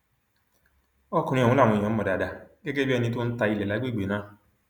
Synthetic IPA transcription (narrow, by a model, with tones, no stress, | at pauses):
ɔ˦ku˨nĩ˦ɔ˨ŋũ˨˦la˦˨ŋʷɔ˨ɔ̃˨m̩˦mɔ˨da˨da˨ɡe˦ɡe˦bi˦ɛ˦˧nĩ˧˦t̬ʊ˦n̩˦ta˧i˧le˨la˨˦ɡ͡be˦˨ɡ͡be˨nã˦